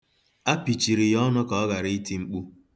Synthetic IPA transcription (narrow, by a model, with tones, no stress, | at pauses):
a˦pi˨t͡ʃi˨ɾi˨jɔ˦nʊ˦ka˨ɔ˦ɣa˨ɾi˦i˦ti˦ŋ͡m̩˦k͡pu˦